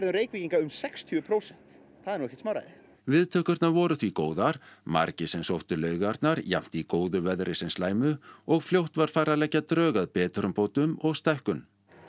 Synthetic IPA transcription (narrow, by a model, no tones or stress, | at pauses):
ɛɾðʏɾeːjkviciŋkaʏmsɛkst̪ʰyːʏpʰɾoːwsɛn̥t̪ | θaðɛɾnuwɛcːɛ̥t̪smaːwɾa̰jðɪ | vɪðt̪ʰœːhkʏɾt̪naɾvɔːɾʏθvikoːwðaɾ̥ma̰ɾcɪsɛmsowht̪ʏlœːɥɣaɾt̪naɾjam̥t̪ikoːwðʏvɛðɾʔɪsɛnslaːjmʏɔɣfljowht̪vaɾ̥faːjɾalɛcːat̪ɾœːɣaðpɛːt̪ʏɾʏmpowt̪ʏmɔɣst̪ajhkʏm